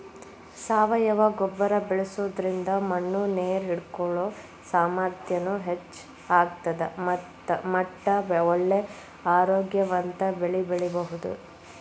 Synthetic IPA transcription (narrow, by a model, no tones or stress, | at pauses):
saːʋɐjɐʋɐɡɔbːɐɾɐbɛɭesuʋd̪ɐɾind̪ɐmɐɳːuneːɾɦiɽkɔɭoː | saːmaːɾt̪ʰjɐnuɦet͡ʃː | aːɡt̪ɐd̪emɐtː | ɐmɐʈːɐʋɛʋɔɭːe | aːɾoːɡjɐʋɐnt̪ɐbeɭibeɭɛbɐɦud̪ṵ